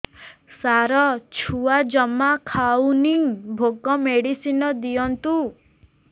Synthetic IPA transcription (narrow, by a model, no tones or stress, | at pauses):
saɾɔt͡ʃʰuad͡ʒɔmakʰawnibʱoɡɔmeɽisinɔd̪iɔnt̪u